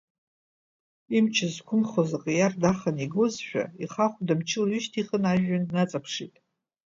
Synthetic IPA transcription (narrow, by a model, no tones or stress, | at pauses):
imt͡ʃʰɪzkʷʰʊmχozaqʼijardaχaniɡozʃᶣa̰iχaχʷdamt͡ʃʰɪlɥʊʃtʰiχənaʒᶣːannat͡sʼapʰʂitʼ